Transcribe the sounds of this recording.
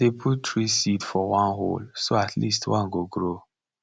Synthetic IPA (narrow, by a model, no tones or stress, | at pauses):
epʰuttʰɹisitfɔwãnɦo̰lsoatʰlḭstwãnɡoɡɹo